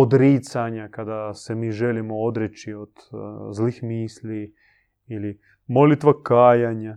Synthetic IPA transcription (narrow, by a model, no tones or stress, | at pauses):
od̪ɾiːt̪saɲakad̪asemiːʒelimood̪ɾet͡ʃiod̪̥zlixmiːsli | ili | mo̞lit̪ʋakaːjaɲa